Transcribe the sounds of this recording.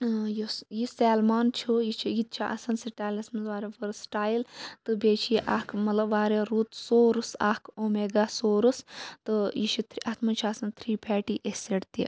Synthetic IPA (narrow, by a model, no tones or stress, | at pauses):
jusjisɛːlmaːnt͡ʃʰujit͡ʃʰijit̪̚t͡ʃʰiʔɐ̰sɐnsiʈaːjlɐsmɐʋaːɾeʋɐɾsʈaːjlt̪ɨbʲet͡ʃʰijiʔaːkʰmɐt̪lɐbʋaːɾeɾuːt̪soːɾusaːkʰoːmeːɡasoːɾust̪ɨjit͡ʃʰit̪ʰɾiʔɐt̪ʰmɐnt͡ʃʰiasɐnt̪ʰɾiːpʰɛːʈiʔeseɽt̪ḭ